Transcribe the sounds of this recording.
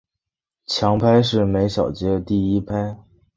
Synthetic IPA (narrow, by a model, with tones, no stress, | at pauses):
t͡ɕʰjɑ˧˥ŋpʰa˥ɪʂ̬ɻ̩˥˩me˧˥ɪɕjɑ˨˩ʊt͡ɕjɛ˧˥ə˧t̪i˥˩i˥pʰa˥ɪ